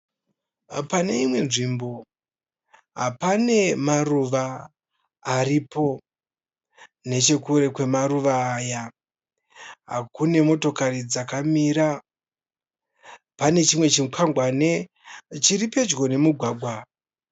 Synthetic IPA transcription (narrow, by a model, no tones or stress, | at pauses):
pane̞imwe̞nʐimbo̞ | ɦapane̞maruʋaː | ɾipo̞ | ne̞t͡ʃe̞kuɾe̞kwe̞maɾuʋaːja | ɦa̰kune̞mo̞to̞karid͡zakamiɾa | pane̞t͡ʃimwe̞t͡ʃikʰaŋɡwane | t͡ʃiɾipe̞d͡ʒɡo̞ne̞muɡʱwaːɡʱwa